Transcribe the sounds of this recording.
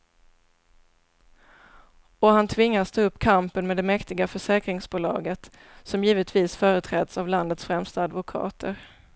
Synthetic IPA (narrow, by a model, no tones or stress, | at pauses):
ɔɦant̪ʰvɪŋːast̪ʰəɵpːkʰampənmed̪ɛmɛkt̪ɪɡafœʂɛːkɾɪŋsbuːlɑ̰ːɡət̪ | sɔmjiːvət̪viːsfœːɾət̪ʰɾɛːd̪savland̪ət̪sfɾɛmst̪aːd̪vʊkʰɑ̰ːt̪ʰə̰ɾ